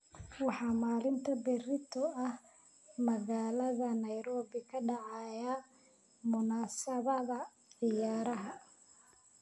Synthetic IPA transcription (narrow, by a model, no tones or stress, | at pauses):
wɑħɑːmaːlɪnt̪ʰɐbɛrɪt̪ʰɔɐh | mɐɣaːlɐðɐnɐjɾɔːβɪkʰɐɖɑʕɑjɐ | mʊnaːsɐβɐðɐ | ʕɪjaːɾɐɦɐ